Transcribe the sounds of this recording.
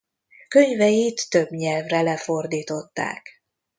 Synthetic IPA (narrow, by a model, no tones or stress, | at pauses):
kø̞ɲvɛjit̪ːø̞bɲɛlvrɛlɛfo̞rd̪iːt̪o̞t̪ːa̰ːk